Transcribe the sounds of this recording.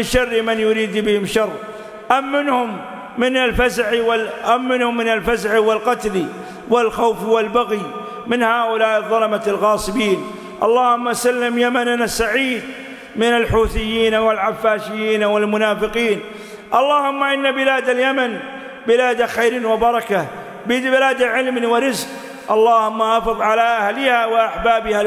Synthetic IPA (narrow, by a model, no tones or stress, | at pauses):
ɪnʃɑrːmanjʊɾiːd̪bɪhɪmʃɑrˤː | ʔamːɪnhʊmː | ɪnalfazʕiwʔamːɪnhʊmːɪnalfazʕiwɪlqɑt̪li | wɪlxawfwɪlbaɣi | mɪnhaːʔʊlaːʔɪðˤːɑlɑmalɣɑːsˤɨbiːn | ʔɑ̰lˤːɑːhʊmːasalːɪmjamananasːaʕiːd̪ | mɪnalħuːθɪjːiːnawɪlʕafːaːʃɪjːiːnawɪlmʊnaːfɪqiːn | ʔɑlˤːɑːhʊmːaʔɪnːabɪlaːd̪aljaman | bɪlaːd̪axajɾiːnwɪbɑɾˤɑka | bɪbɪlaːd̪aʕɪlmniwɪɾɪzq | ʔɑlˤːɑːhʊmːaʔɑfɨðˤʕalaʔahlɪhawɪʔaħbaːbɪha